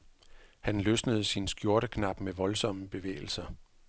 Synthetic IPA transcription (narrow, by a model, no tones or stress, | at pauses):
hænløsnəð̞̩ˠsinsɡ̥jo̝ɐɾəkʰnɑ̈b̥meʋɒ̽lsɒ̽məb̥e̝ʋḛːɪl̩sɐ